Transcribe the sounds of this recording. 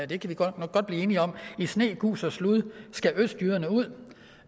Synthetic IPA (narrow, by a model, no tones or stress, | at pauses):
d̥e̝kʰæʋi̥ɡ̥ɒ̽d̥̚b̥liːe̝ːniɒ̽misne̝̰ːɡ̥ṵːsɒsluðˠsɡ̥æʔøsd̥jyːɐnəuð̞̰ˠ